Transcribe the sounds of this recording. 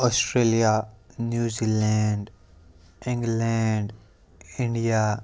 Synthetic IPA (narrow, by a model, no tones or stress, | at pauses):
ɔːsʈɾeːlijanjuːziːlɛɳɖ | ɪ̃ŋɡlɛɳɖ | ɪ̃ɳɖija